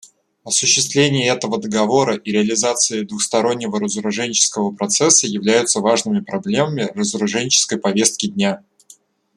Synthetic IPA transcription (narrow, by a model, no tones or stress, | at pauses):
ɐsʊɕːɪst̪vlʲenʲɪjəɛt̪əvəd̪əɡɐvo̞ɾəʔiɾʲɪɐlʲɪzat̪sɨɪd̪vʊxst̪ɐɾo̞nʲːɪvəɾəzəɾʊʐɛnʲt͡ɕɪ̥skəvəpɾɐt̪sɛsːəjɪvlʲæjʊt̪səvaʐnɨmʲɪpɾɐblʲe̞məmʲɪrəzəɾʊʐɛnʲt͡ɕɪ̥skəjpɐvʲe̞st̪̚kʲɪd̪ʲnʲa